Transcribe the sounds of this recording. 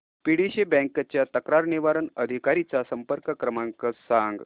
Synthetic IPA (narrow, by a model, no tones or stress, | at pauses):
piɽiɕebɛ̃ŋkt͡ɕjat̪əkɾaɾniʋaɾənəd̪ʱikaɾit͡sasəmpəɾkəkɾəmaŋkəsaŋɡ